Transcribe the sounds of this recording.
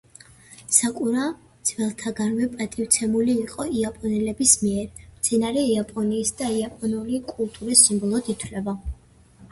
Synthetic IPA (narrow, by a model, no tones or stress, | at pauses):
sakʼuɾa | d̪z̥vɛlˠt̪ʰaɡaɾvɛpʼat̪ʼift̪sʰɛmuliːqʼɔiapʼɔnɛlɛbismiɛɾmt̪sʰɛnaɾɛiapʼɔniːsd̪aiapʼɔnulikʼulˠt̪ʼuɾisimbɔlˠɔd̪it̪ʰwlɛba